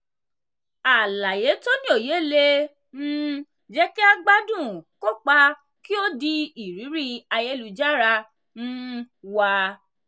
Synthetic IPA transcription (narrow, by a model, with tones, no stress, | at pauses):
a˨la˨je˨˦to˦nĩ˦o˨je˨˦le˧ | ñ̩˦ | d͡ʒɛ˦ki˦a˧ɡ͡ba˦dũ˦˨ko˦k͡pa˧ | ki˦o˦di˧i˨ɾi˨˦ɾi˦a˧je˦lu˧d͡ʒa˦ɾa˧ | nũ˦ | wa˧